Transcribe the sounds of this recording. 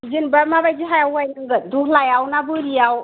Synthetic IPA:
zinbamabajd͡ʒiɦajawajnɯŋɡɯdukʰlajawnabɯɾijaw

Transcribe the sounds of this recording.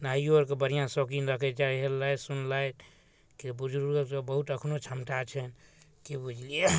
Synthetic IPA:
naioɾkebəɾ̤ijãsokinɾəkʰet͡ʃaɦelːajsunlajt̪ | kebud͡ʒuɾuɾebəɦut̪əkʰnot͡ʃʰəmʈat͡ʃʰɛn | kebud͡ʒʱlie

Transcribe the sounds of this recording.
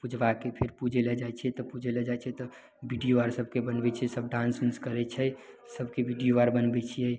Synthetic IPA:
pud͡ʒʱʋakepʰɪɾpud͡ʒʱelɛd͡ʒat͡ʃʰɛt̪ɔpud͡ʒelɛd͡ʒaɛt͡ʃʰɛt̪ɔ | biɖijoaɾsəbʱkebənbɛt͡ʃʰɛsəbɖãnsmiskəɾɛt͡ʃʰɛ | səbʱkebiɖijoaɾbənbɛt͡ʃʰiɛ

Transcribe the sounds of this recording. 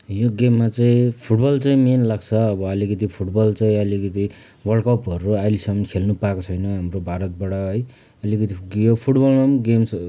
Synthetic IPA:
joɡemːat͡saĩpʰuʈbʌlt͡saĩmenlaɡt͡sʰʌːbʌʌlikʌt̪ipʰuʈbʌlt͡saĩʌlikʌt̪i | wʌɭkʌpʌɾuajlisʌmʌnkʰelnupaekot͡sʰʌjnʌ̃ɦamrobʱaɾʌt̪̚baɽʌɦʌj | ʌlikʌt̪ijopʰuʈbʌlmamɡems

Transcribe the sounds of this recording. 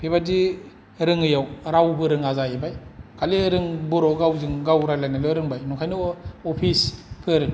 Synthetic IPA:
pʰebadi | ɾɯŋɯjawɾawbɯɾɯŋazajebajkʰaliɾɯŋbɔɾɔɡawzɯŋɡawɾajlajnalɔɾɯŋbajnukʰajnɯɔpʰispʰɯɾɯŋ

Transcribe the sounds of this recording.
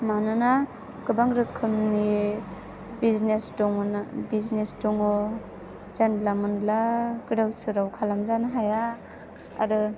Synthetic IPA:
manɯna | ɡɯbaŋɾɯkʰːɯmni | biznesdɔŋnbiznestɔŋɔ | zanlamɯnlaɡɯɾawsɯɾawkʰalamzanɯɦaja̰ː | ɾɯ

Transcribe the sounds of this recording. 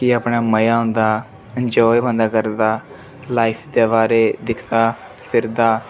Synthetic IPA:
kiəpɳaːməjaːɦõnd̪aː | ənd͡ʒɔːebənd̪aːkəɾd̪aː | laːipʰd̪eːbaːɾeːd̪ɪkʰd̪aː | pʰɪɾd̪aː

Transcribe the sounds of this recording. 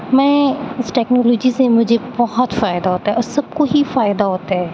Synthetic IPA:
mɛ̃ːɪsʈɛːknɔːloːd͡ʒisemʊd͡ʒʱebɔɦɔt̪faːɪd̪aɦoːt̪aɦɛʔɔːɾsɐb̚koɦifaːɪd̪aɦoːt̪aɦɛː

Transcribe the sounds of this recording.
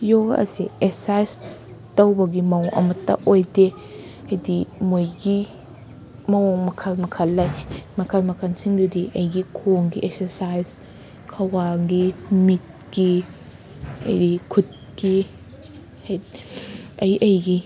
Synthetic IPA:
joɐ̰siesajs | tɐwbɐɡimɐwʔɐ̰mɐtːɐ̰ʔojde | ɐjdimojɡi | mɐwoŋmɐkʰɐlmɐkʰɐlːɐjmɐkʰɐlmɐkʰɐnsiŋdudiʔɐjɡikʰoŋɡiʔek̚seɾsajz | kʰɐwaɡimit̚ɡi | ɐ̰jdikʰut̚ | ɡi | ɐj | ɐjʔɐjɡi

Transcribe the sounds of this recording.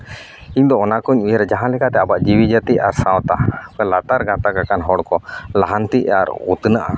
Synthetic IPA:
iɲd̪ɔɔnakɔɲujəɾɛd͡ʒaɦãlɛkat̪ɛabaʔd͡ʒiwid͡ʒət̪iaɾsawt̪apɛlat̪aɾɡãt̪akakanɦɔɽkɔlaɦant̪iaɾ̰ut̪naʔa̰

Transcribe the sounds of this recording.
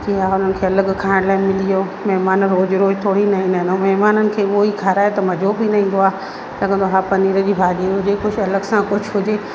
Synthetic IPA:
d͡ʑiːaʊn̤ənɪ̆kʰeːɐləɡkʰaːɪɽ̃laːɪmɪlijoː | mɐɦmaːnɾoːd͡ʑɾoːt̪ʰoːɽinɐɦĩːnd̪ɦɪnomɐɦmaːnənɪ̆kʰeːoikʰaːɾaːet̪ɐmɐd͡ʑʱobʱinɐɦĩːn̆d̪oaː | lɐɡə̃nd̪oɦaːpɐniːɾəd͡ʑiːbʱaːɠiɦʊd͡ʑekʊd͡ʑʰʱɐləɡsãkʊd͡ʑʰʱɦʊd͡ʑeː

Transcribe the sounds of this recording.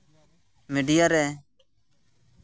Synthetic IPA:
mɪɖɪjaɾɛː

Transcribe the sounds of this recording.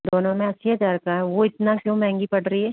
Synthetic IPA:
d̪oːnõmẽɐsijad̪aɾkaɦɛʋoɪt̪nakjõːmɛ̃ːŋɡipɐʈɾɐiɦɛː

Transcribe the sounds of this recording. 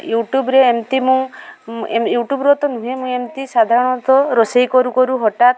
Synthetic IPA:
juʈjubɾeːmt̪imũ | ejuʈjubɾɔt̪ɔnũɦemũemt̪isad̪ʱaɾɔɽ̃ɔ̃t̪ɔɾosejkɔɾukɔɾuɦɔʈat̪

